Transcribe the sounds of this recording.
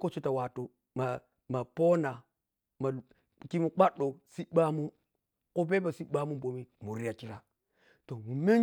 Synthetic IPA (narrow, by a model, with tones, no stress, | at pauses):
ko˦t͡ʃo˦ta˨wa˨to˦ | ma˨ | ma˨po˦na˨ | ma˨ | ki˦mu˨k͡pa˦ɗo˨si˦ɓa˦mu˦ | ko˦be˦ba˨si˦ɓa˦mu˦bo˨mi˦mu˨ɾi˦ja˨ki˦ɾa˨ | to˨mu˨me˦